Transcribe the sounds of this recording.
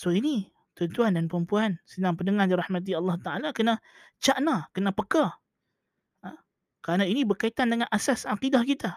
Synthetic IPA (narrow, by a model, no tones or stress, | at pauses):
soini | t̪ʊnt̪uandanpəɾəmpuansənaŋpəndəŋadiɾahmat̪̬iɑlːɑht̪aʔalakəna | t͡ʃaʔnakənapəka | kəɾanainibərkait̪andəŋanʔasasaqidahkit̪a